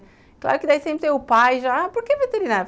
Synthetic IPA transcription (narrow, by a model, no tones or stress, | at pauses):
klˠa̰ɾʊkɪd̪ɛvsẽmpɾseɾupajʒapuɾkevet̪eɾinaɾ